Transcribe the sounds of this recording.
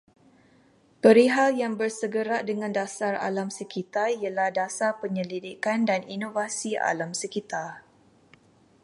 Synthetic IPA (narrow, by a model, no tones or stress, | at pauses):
pəɾiɦaljaŋbərsəɡəɾaʔdəŋãndasara̰lamsəkit̪ariəlahdasapəɲəlidikandaninovasia̰lamsəkit̪ar